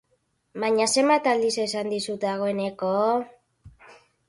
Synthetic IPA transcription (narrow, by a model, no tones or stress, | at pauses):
baɲase̞mbat̪ald̪isesand̪isut̪aɣ̞o̞e̞ne̞ko